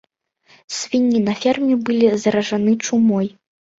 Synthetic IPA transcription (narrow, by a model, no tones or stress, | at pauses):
sʲvʲinʲːinɐfʲɛrmʲibɨlʲizɐɾɐʐanɨt͡ʂumɔj